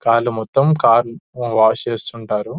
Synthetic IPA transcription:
kaːlumɔt̪ːɐmkaːɾuʋaːt͡ʃeːst̪uɳʈaːɾu

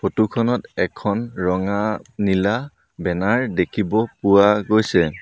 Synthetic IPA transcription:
pʰotukʰɔnɔtɛkʰɔnɹɔŋanila | bɛnaɹdekʰibɔpʊwaɡojsɛ

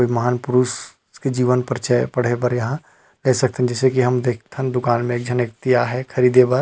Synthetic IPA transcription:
oimɐɦaːnpʊɾus | ked͡ʒiːʋənpəɾt͡ʃəpɐɽ̤epɐɾjɐɦã | leːsɐkt̪ẽɛ̃d͡ʒɛːsekiɦɐmd̪eːkʰt̪ʰə̃nd̪ʊkaːnmẽeːk̚d͡ʒʱɐnek̚t̪ijaɦɛkʰɐɾiːd̪epɐɾ

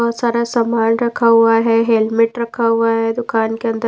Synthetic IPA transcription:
ɔt̪saːɾasɐmaːnɾɐkʰaɦuaɦɛɦelmɪʈɾɐkʰaɦuaɦɛd̪ʊkaːnkeɐnd̪ə

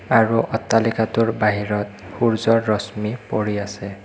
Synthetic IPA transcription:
aɹuʔɔtːalikatʊɹbaɦiɹɔt̚ | xuɹzɔɹːɔsmipoɹiasɛ

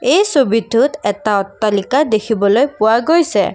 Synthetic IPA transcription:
ejsobidʱːutɛtaɔtːalikadekʰibɔlojpʊwaɡojsɛ̰

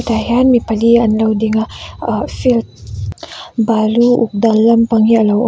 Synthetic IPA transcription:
t̪aɦjanmipalianlawdiŋa | filt̪̚ | baluṵk̚d̪alampaŋialaw

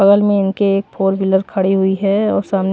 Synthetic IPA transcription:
ɐɡəlmẽɪnkeeːk̚pʰoːɾʋɪləɾkʰɐɽiɦʊiɦɛɔːɾsaːmn

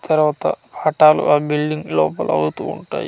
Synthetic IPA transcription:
t̪ɐɾʋaːt̪ɐ̰paːʈaːlṵʔaːbilɖiŋɡlɔːpɐlɐ̰wut̪uːuɳʈa̰ːji

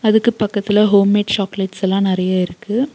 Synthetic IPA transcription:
ɐðɯkːɯpɐkːɐt̪ːɪlɐɦoːmeːʈt͡ʃaːkleʈsɛlːãːnɪɾɐjaːɪɾɯkːɯ

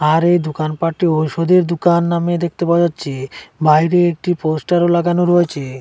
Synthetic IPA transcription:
aɾejd̪ukanpaʈioʃod̪eɾd̪ukanːamed̪ek̚t̪epad͡ʑatːɕʰebajɾeek̚ʈiposʈaɾolaɡanoɾoet͡ɕʰe

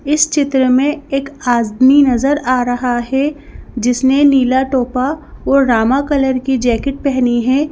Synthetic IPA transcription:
ɪst͡ʃɪt̪ɾəmẽeːkaːzd̪minɐzəɾaːɾɐɦaɦɛd͡ʒɪsneniːlaʈoːpaɔːɾːaːmakɐləɾkid͡ʒɛːkɪʈ̚pɛɦniɦɛ̃ː

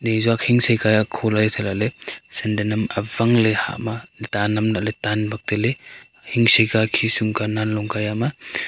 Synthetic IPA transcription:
nezuak̚hiŋsejkajakʰɔlajsʰalaʔlesendenɐmavaŋleha̰ʔmatanɐmnaʔletanbak̚tele | hiŋsejkakʰisuŋkananlɔŋkajama

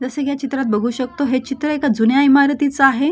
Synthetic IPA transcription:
d͡zəseɡjat͡ɕit̪ɾat̪̚bəɡʱuːɕək̚t̪oɦet͡ɕit̪ɾəekad͡zunjaimaɾt̪it͡saɦe

